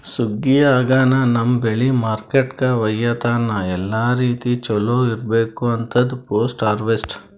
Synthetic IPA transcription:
suɡːijaːɡaːnɐnɐmbeɭimaːɾkeʈkɐʋɐjːɐt̪aːnːɐɛlːaːɾiːt̪it͡ʃɔloːiɾbeːkuɐnt̪ʰɐd̪poːsʈaːɾʋesʈ

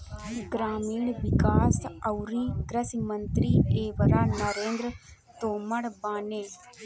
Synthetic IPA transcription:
ɡɾaːmiːɳʋikaːsɐwɾiːɡɾɐsimɐnt̪ɾieːʋəɾaːnɐɾeːnd̪ɾə | t̪oːmɐɽbaːneː

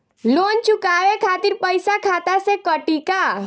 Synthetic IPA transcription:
lont͡ʃukaʋekʰat̪iːɾpəjsakʰat̪asekəʈika

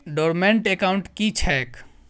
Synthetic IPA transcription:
ɖɔɾmeɳʈekawɳʈkit͡ʃʰɛk

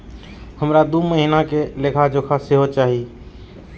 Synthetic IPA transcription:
həmɾad̪uməɦinakelekʰad͡ʒoːkʰasɪɦot͡ʃaːɦi

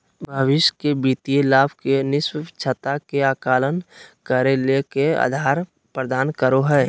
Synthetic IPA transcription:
bʱəʋɪʃkebiːt̪ielaːbkenɪswt͡ʃʰət̪akeaːkaːlənkəɾelekea̰ːd̪ʱaːɾ | pɾəd̪aːnkəɾoɦɛː

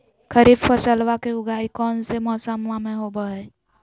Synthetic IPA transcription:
kʰəɾiːbpəsəlʋakeʊɡʱaːikɔːnsemɔːsəmʋamẽɦobəeː

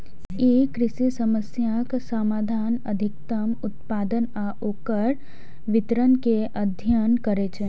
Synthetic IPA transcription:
jekɾɪsisəməsjaksəmaːd̪ʱaːnə̰d̪ʱɪk̚t̪əmʊt̪paːd̪ənaʔoːkəɾ | ʋɪt̪ɾənkeʔəd̪ʱjənkəɾet͡ʃʰeː

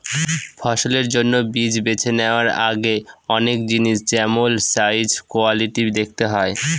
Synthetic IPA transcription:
fʰɔʃoleɾd͡ʑonːobid͡ʑbet͡ɕʰeneoaɾa̰ɡeɔnek̚d͡ʑiniʃd͡ʑɛmolsajd͡ʑkoaliʈid̪ek̚ʰt̪eɦɔe

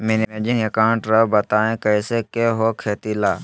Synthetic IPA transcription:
mɪnimeːd͡ʒɪŋekaːʊ̃ɳʈɾɐbbɐt̪aːẽkɛːsekeɦokʰeːt̪ilaː

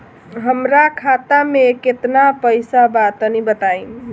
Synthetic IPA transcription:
ɦəmɾakʰat̪ameket̪napəjsabat̪ənibət̪ai

